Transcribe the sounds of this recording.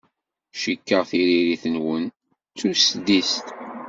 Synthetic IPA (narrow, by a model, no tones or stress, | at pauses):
ʃikːəʁθiɾiɾiθənwən | t͡sːusd̪ist̪